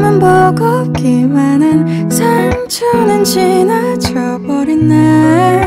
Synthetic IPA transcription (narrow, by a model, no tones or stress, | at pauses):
manbʌɡʌp̚k͈imanɯn | sʰamt͡ɕʰʌŋnɯnɕʰinat͡ɕʰʌ | bʌɾinːa